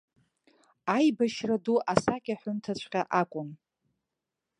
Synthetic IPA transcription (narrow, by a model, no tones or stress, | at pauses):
ajbaʃraduʔasakʲʼaħʷʊntʰat͡ɕʷʰqʲaʔakʷʼʊn